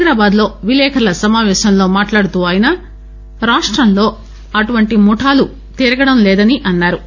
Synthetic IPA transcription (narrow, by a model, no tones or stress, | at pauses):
ɾaːbaːd̪lo̞ːʋilɛːkʰɐɐlɐsɐmaːʋɛːʃɐmlo̞ːmaːʈlaːɽut̪uːʋaːjinaː | ɾaːʂʈɾɐmlo̞ː | ɐʈuʋɐɳʈimuʈʰaːlu | t̪iːɾɐɡɐɽɐmlɛːd̪ɐniʔɐnːaːɾu